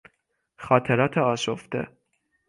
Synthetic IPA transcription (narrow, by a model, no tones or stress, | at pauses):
xɒːt̪ʰeɾɒːt̪ʰeɒːʃoft̪ḛ